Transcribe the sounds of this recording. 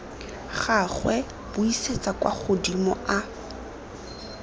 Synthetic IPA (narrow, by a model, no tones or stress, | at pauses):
χaχwɛ | b̥ʊiset͡sʼakwʔa̰χʊdimʊ̰ʔa